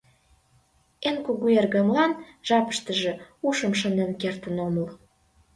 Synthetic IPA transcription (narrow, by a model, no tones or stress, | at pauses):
enkuɣuerɣə̆mlɑnʒ̥ɑpə̥̆ʃt̪ə̆ʒĕuʃə̆mʃə̆nenkert̪ənomə̆l